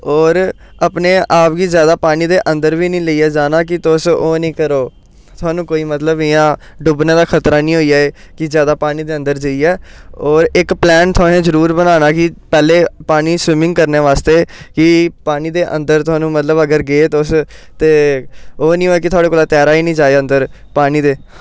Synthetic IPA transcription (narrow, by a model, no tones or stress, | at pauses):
oːɾ | əpneːʔaːpɡiːzjaːd̪aːpaːniːd̪eːʔə̃nd̪əɾʋiːnĩːləiːɛːd͡ʒaːnaːk̬ɪt̪ʊsoːnĩːkəɾoː | t̪ʰʊaːnũːkoːiːmət̪ləbɪjãː | ɖʊbneːd̪aːkʰət̪ɾaːnĩːɦoːijaːeː | kɪzjaːd̪aːpaːniːd̪eːə̃nd̪əɾd͡ʒəiːɛːoːɾɪkplɛːnt̪ʰʊaːnẽːzəɾuːɾbənaːnaːkɪpɛːleːpaːniːsʋɪmɪ̃ŋɡkəɾneːʋaːst̪eːkɪpaːniːd̪eːʔə̰̃nd̪əɾt̪ʊaːnũːmət̪ləbəɡəɾɡeːt̪ʊst̪eːoːnĩːɦoːɛːkɪt̪ʰʊaːɽeːkoːlaːt̪ɛːɾaːiːnĩːd͡ʒaːeə̃nd̪əɾ | paːniːd̪eː